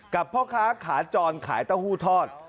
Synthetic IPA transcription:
ka˨˩pʰːɔː˥˩kʰaː˦˥kʰaː˩˦t͡ɕɔː˧nkʰa̰ː˩˦jt̪aː˥˩huː˥˩t̪ʰɔː˥˩t̪̚

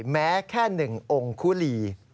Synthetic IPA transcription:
mɛː˦˥kʰɛː˥˩nɯ˨˩ŋʔo˧ŋkʰuː˦˥˩liː˧

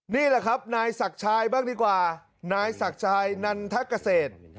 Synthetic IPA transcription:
niː˥˩la˨˩kʰa˦˥p̚naː˧jsa˨˩k̚t͡ɕʰaː˧jbaː˥˩ŋdiː˧kwaː˨˩ | naː˧jsa˨˩k̚t͡ɕʰaː˧jna˧nt̪ʰa˦˥kːa˧seː˨˩t̪̚

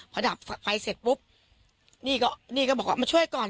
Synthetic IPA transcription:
pʰa˧da˨˩p̚fa˧jse˨˩t̪̚bu˦˥p̚ | niː˥˩kɔː˥˩niː˥˩kɔː˥˩ɔː˨˩k̚waː˥ma˧t͡ɕʰu˥˩əjkɔː˨˩n

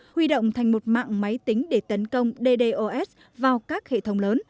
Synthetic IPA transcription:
hwi˧ɗo̰˧˨wŋ͡mt̪ʰa˨˩jŋ̟mo˨˩t̚ma̰ː˧˨ŋma˨˦jt̪ï˨˦ŋ̟ɗe˧˩t̪ə˨˦nkə˧wŋ͡mɗe˧ɗe˧ʔo˧ʔɛ˦˥s | vaː˨˩wkaː˦˥k̚hḛ˧˨t̪ʰə˨˦wŋ͡mləː˨˦n

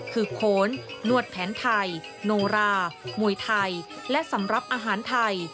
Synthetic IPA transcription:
kʰɯː˧pʰoː˩˦nːu˧˩ət̪̚pʰɛː˩˦nt̪ʰa˧j | noː˧ɾaː˧mu˨˩əjt̪ʰa˧j | lɛ˦˥ʔsa˩˦mɾa˧˩p̚ʔaː˧ɦaː˩˦nt̪ʰa˧j

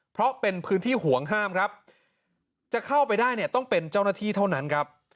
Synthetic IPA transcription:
pʰɾɔ˦˥pe˧npʰɯː˦˥nt̪ʰiː˥˩ɦu˩˦əŋɦaː˥˩mkʰɾa˦˥p̚ | t͡ɕa˨˩kʰa˥˩wpa˧jdaː˥˩jni˥˩ɐt̪ɔ˥˩ŋpe˧nt͡ɕa˥˩wnaː˥˩t̪ʰiː˥˩t̪ʰa˥˩wna˦˥nkʰɾa˦˥p̚

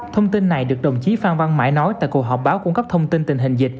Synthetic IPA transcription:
t̪ʰə˧wŋ͡mt̪i˧nːa˨˩jɗɨ˨˩ək̚ɗə˨˩wŋ͡mt͡ɕi˨˦faː˧nva˧nma̰ː˧˩jnɔ˨˦jt̪a̰ː˧˨jku˨˩ək̚ɦɔː˨˩p̚ɓaː˨˦wkʊ˧˩ŋ͡mŋkə˦˥p̚t̪ʰə˧wŋ͡mt̪i˧nt̪ï˨˩ŋ̟ɦï˨˩ŋ̟zï˨˩k̟̚

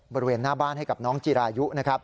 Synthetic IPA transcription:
bɔː˧ɾi˦weː˧nːaː˥˩baː˥˩nɦa˥˩jka˨˩p̚nɔː˦˥ŋt͡ɕiː˧ɾaː˧ju˦˥ʔna˦˥kʰa˦˥p̚

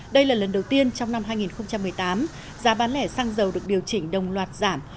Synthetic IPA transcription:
ɗə˧jlaː˨˩lə˨˩nɗə˨˩wt̪i˧ənt͡ɕɔ˧wŋ͡mna˧mhɦaː˧jŋi˨˩nxə˧ŋ͡mt͡ɕa˧mːɨ˨˩əjt̪aː˨˦m | zaː˨˦ɓaː˨˦nlɛ̰˧˩saː˧ŋzə˨˩wɗɨ˨˩ək̚ɗi˨˩əwt͡ɕï˧˩ŋ̟ɗə˨˩wŋ͡mlwaː˨˩t̚z̥aː˧˩m

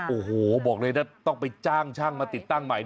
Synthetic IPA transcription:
ʔoː˨˩hoː˨˩bɔː˨˩k̚lɤː˧naː˥˩t̪ɔ˥˩ŋpa˧jt͡ɕaː˥˩ŋt͡ɕʰaː˥˩ŋmaː˧t̪i˨˩t̪ːa˥˩ŋma˨˩˦j

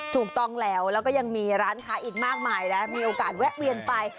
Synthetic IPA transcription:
t̪ʰuː˨˩k̚t̪ɔ˥˩ŋlɛː˦˥wlɛː˦˥wkɔː˥˩ja˧ŋmiː˧ɾaː˦˥nkʰaː˦˥jʔiː˨˩k̚maː˥˩k̚maː˧jna˦˥miː˧ʔoː˧kaː˨˩t̪̚wɛ˦˥ʔ̚wi˧ənpa˧j

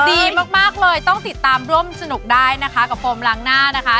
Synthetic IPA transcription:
diː˧maː˦˥˩k̚maː˥˩k̚lɤː˧jt̪ɔ˥˩ŋt̪i˨˩t̪ːaː˧mɾu˥˩əmsa˧nu˨˩k̚daː˥˩jna˦˥kʰa˦˥ka˨˩p̚ʰoː˧mɾaː˧ŋnaː˥˩na˦˥kʰa˦˥

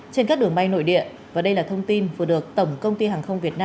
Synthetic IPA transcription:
t͡ɕe˧nkaː˦˥k̚ɗɨ˨˩əŋɓa˧jno̰˧˨jɗḭ˧˨ə | vaː˨˩ɗə˧jlaː˨˩t̪ʰə˧wŋ͡mt̪i˧nvɨ˨˩ɗɨ˨˩ək̚t̪ə˧˩wŋ͡mkə˧wŋ͡mt̪i˧haː˨˩ŋxə˧wŋ͡mvi˨˩ət̚naː˧

